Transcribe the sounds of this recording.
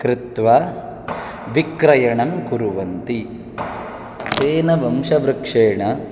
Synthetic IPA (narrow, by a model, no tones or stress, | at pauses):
kɾɪt̪ʋa | ʋikɾɐjɐɳɐmkuɾuʋɐnt̪i | t͡ʃeːnɐʋɐmʂɐʋɾɨkʂeːɳɐ